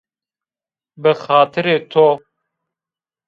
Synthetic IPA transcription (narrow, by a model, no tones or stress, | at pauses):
bɨxaːt̪ʰɨɾeːt̪ʰoː